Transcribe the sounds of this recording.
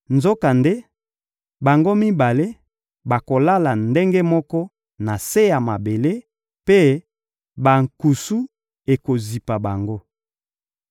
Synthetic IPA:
nzo˦ka˨nde˦ | ba˨ŋɡo˦mi˦ba˨le˦ | ba˨ko˨la˦la˨nde˦ŋɡe˦mɔ˦kɔ˦ | na˨se˦ja˨ma˨be˨le˦ | pe˦ | ba˨ŋ̩˨ku˨su˦ | e˨ko˨zi˨pa˨ba˨ŋɡo˦

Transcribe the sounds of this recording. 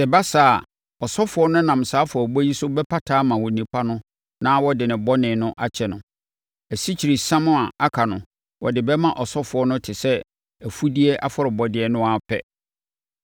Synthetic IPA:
sɛ˨ba˦saː˦˨ | ɔ˨sɔ˦fʊ˨ɔ˦nʊ̃˦nã˨m˨saː˦fʊ˨ɔ˨bɔ˦ji˦sʊ˦bɛ˦pʰa˦tʰaː˦mã˨wɔ˨nĩ˨pʰa˦nʊ̃˦ | nãː˦wɔ˦dɪ˨nɪ̃˨bɔ˦nɪ̃˨nʊ̃˦ʔa˦t͡ɕʰɛ˨nʊ̃˨ | æ˨si˦t͡ɕʰi˨ɾi˨sã˦mʊ̃˦a˨a˦kʰa˨nʊ̃˨ | wʔɔ̰˨dɪ˨bɛ˦mã˦˨ʔɔ˨sɔ˦fʊ˨˦ɔ˦nʊ̃˦tʰɪ˨sɛ˦ | æ˨fu˦di˦e˦ʔa˦fʊ˦ɾɪ˨bɔ˨dɪ˦ɛ˦nʊ̃˦a˨pʰɛ̰˦

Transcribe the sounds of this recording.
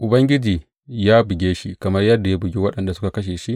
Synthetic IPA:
ʔʊ˨bɐ˦ŋɡʲɪ˦d͡ʒiː˨ | jaː˦bɪ˨ɡʲeː˦ʃi˦kɐ˨mɐ˦rjɐ˦rda˨ja˦bɪ˨ɡʲeː˦wɐ˦ɗɐ˨nda˨sʊ˦ka˨kɐ˦ʃ̬eː˨ʃi˦ʔ

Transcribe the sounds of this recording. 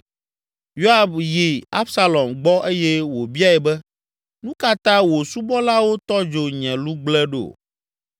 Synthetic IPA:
jo˦a˨bji˨a˦bsa˦lɔ˨mɡ͡bɔ˦ʔe˦jɛ˦wo˨bi˦a˦˨ɛ˨bɛ˦ | nũ˦ka˦t̪ã˦wo˨su˦bɔ˦la˦wo˦t̪ɔ˦d͡ʒo˨ɲɛ̃˨lu˦ɡ͡blɛ˦ɖo̰˨

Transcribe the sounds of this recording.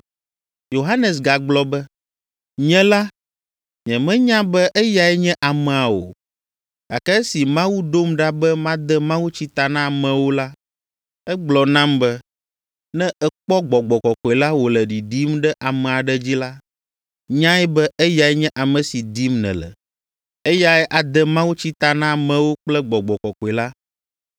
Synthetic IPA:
jo˨ɦa˦nɛ˨s̬ɡa˨ɡ͡blɔ˨bɛ˦ | ɲɛ̃˦la˦ | ɲɛ̃˨mɛ̃˦ɲã˦bɛ˦ʔɛ˦ja˨ɛ˦ɲɛ̃˦ʔa˨mɛ̃˨a˨wo̰˨ | ɡ̥a˨kɛ˦si˨mã˦wu˦ɖo˦mɖa˦bɛ˦mã˦d̪ɛ˦mã˦wu˦t͡ɕi˦t̪a˨nã˦˨mɛ̃˨wo˦la˦ | ɛ˦ɡ͡blɔ˨nã˦mbɛ˦ | nɛ̃˦ʔɛ˦k͡pɔ˦ɡ͡bɔ˨ɡ͡bɔ˨kɔ˨kɔ˨ɛ˨la˦wo˨lɛ˨ɖi˨di˦mɖɛ˦ʔa˨mɛ̃˨a˨ɖɛ˦d͡ʑi˦la˦ | ɲã˦ɛ˦bɛ˦ɛ˦ja˨ɛ˦ɲɛ̃˦ʔa˨mɛ̃˨si˨d̪i˦mnɛ̰̃˨lɛ̰˨ | e˦ja˦ɛ˦ʔa˨d̪ɛ˦mã˦wu˦t͡ɕi˦t̪a˨nã˦˨mɛ̃˨wo˦k͡plɛ˦ɡ͡bɔ˨ɡ͡bɔ˨kɔ˨kɔ˨ɛ˨la˦

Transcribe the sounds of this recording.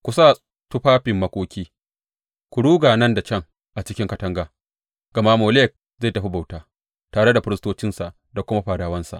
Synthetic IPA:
kʷu˨saː˦˨ | tʊ˦ɸaː˦ɸɪ˨mːɐ˦kʷʼoː˦kʲiː˦ | kʷu˨ɽuː˦ɡaː˨nɐ˦nda˨t͡ʃʲɐ˦˨ŋ | ʔa˨t͡ʃɪ˦kʲɪ˦ŋkɐ˦tɐ˦ŋɡaː˨ | ɡ̥ɐ˨ma˦moː˨le˦˨k̚ | za˦˨tɐ˦ɸi˦ba˨wtaː˦ | taː˨ɽe˦da˨ɸɪ˦ɾɪ˦stoː˦t͡ʃɪ˦nsa˨ʔ | da˨kʷʊ˦ma˦ɸaː˨daː˨˦wɐ˦nsa̰˨ʔ

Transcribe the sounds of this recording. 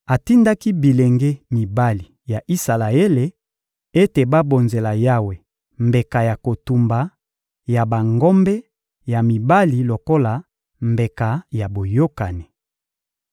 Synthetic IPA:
a˨ti˦nda˦ki˦bi˨le˨ŋɡe˦mi˨ba˦li˨ | ja˨ʔi˦sa˨la˨e˦le˨ | e˦te˨ba˦bo˨nze˨la˨ja˦we˨ | mbe˨ka˨ja˨ko˨tu˨mba˨ | ja˨ba˨ŋɡɔ˦mbɛ˦ | ja˨mi˨ba˦li˨lo˨ko˦la˨ | mbe˨ka˨ja˨bo˨jo˦ka˨ni˨

